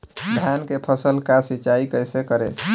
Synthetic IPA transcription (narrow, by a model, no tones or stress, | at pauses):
d̪ʱjankepʰəsəlkasit͡ʃaikəjsekəɾḛ